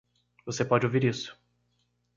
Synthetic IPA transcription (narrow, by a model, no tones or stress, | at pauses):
vosepɔd͡ʒɪowviɾisʊ̥